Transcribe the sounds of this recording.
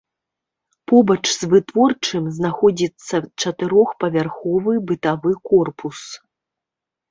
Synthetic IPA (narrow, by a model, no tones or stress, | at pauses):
pɔbɐt͡ʂzvɨt̪vɔrt͡ʂɨmznaxɔd͡zʲit̪sːɐt͡ʂɐt̪ɨɾɔxpɐvʲarxɔvɨbɨt̪avɨkɔrpus